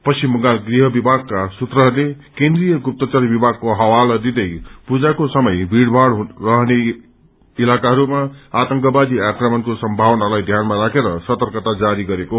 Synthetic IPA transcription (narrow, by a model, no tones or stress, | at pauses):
pʌst͡ʃimːʌŋɡalɡriɦʌbibʱaɡ̚kasut̪rʌɦʌɾule | kend̪rijʌɡup̚t̪ʌt͡sʌrbibʱaɡ̚koɦawald̪id̪ʌjpud͡zakosʌmʌjbʱiɽbʱaɽrʌɦne | ilakaɦʌɾumaat̪ʌŋkʌbad̪iakrʌmʌnkosʌmbʱawnalajd̪ʱjanmaɾakʰeɾʌsʌt̪ʌrkʌt̪ad͡zaɾiɡʌɾeko